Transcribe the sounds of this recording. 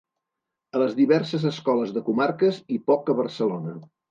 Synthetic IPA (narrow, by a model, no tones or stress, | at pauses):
ələzðiβɛrsəzəskɔləzðəkumarkəzipɔkəβərsəlonə